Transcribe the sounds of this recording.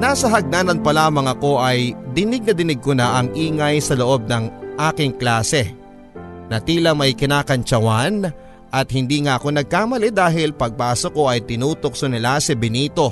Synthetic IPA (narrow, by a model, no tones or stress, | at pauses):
naːsɐɦɐɡ̚naːnɐnpɐlaːmɐŋɐko̞ʔɐjd̪ɪnɪɡ̚nɐd̪ɪnɪɡ̚konaʔɐŋʔiːŋɐjsɐlo̞ʔo̞b̚nɐŋʔaːkɪŋklaːsɛ | nɐt̪iːlɐmɐjkɪnaːkɐnt͡ʃɐwan | ʔɐt̪̚hɪnd̪iːŋaʔɐko̞nɐɡ̚kaːmɐlɛd̪aːɦɪlpɐɡ̚paːsoko̞ʔɐjt̪ɪnuːt̪o̞k̚sʊnɪlasɪbɪniːt̪o̞